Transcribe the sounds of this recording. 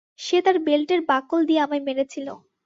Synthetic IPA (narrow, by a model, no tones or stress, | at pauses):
ʃet̪aɾbelʈeɾbakold̪ieamameɾet͡ɕʰilo̰